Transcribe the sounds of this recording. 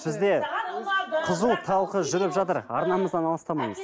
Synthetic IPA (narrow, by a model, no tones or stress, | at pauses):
bɪzd̪e̞ | qʰʊzuwt̪ʰɑlˠqəʒʏɾɪpʒɑt̪əɾɑ̰ɾnɑməzd̪ɑnɑlˠəst̪ɑmɑjməz̥